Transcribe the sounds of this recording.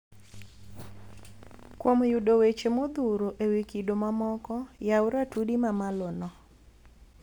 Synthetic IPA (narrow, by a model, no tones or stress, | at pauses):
kwomjudowet͡ʃemod̪uɾoʔewikidomamɔkɔjawʊɾatudimamalonɔ